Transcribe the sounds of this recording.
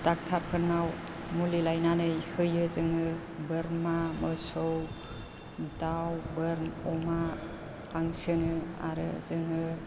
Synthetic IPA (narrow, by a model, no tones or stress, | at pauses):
d̥ak̚tʰaɾ̚pʰɯɾnaw | mulilajnanɯjhɯjɯzɯŋɯ | bɯɾmamɯsow | dawbɯɾnɔma | aŋsɯnɯa̰ɾɯ̰zɯŋɯ